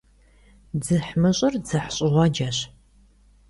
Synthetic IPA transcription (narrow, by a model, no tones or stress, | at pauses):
d͡zɨħmɨɕʼɐrd͡zɨħɕʼɪʁʷɑd͡ʒɐɕ